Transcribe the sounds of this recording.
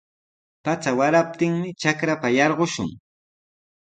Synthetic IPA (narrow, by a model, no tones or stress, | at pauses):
pat͡sawaɾap̚t̪ɪŋmɪt͡ʃakɾapajɑɾɢoʃʊ̰ŋ